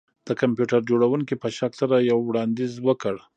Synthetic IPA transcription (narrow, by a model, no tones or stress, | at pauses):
d̪̥əkampjuʈaɾd͡ʒoɽawuŋkipəʃaksaɾajawːɽɑnd̪izwəkəɽ